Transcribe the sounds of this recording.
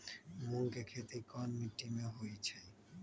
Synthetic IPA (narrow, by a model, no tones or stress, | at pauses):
mulkekʰet̪ikɔnmiʈːimeɦojet͡ɕʰe